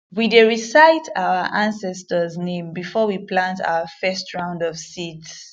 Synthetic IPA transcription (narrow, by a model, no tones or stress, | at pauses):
wideɹisaɪtʰaʊəʔãnsɛstəznẽmbifɔwiplãntʰa̰ʊəfɛstɹãʊ̃ndɔv̥sids